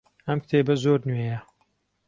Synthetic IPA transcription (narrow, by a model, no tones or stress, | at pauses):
ɐmkt̪ʰeːbɐzoːɾnɥejɐ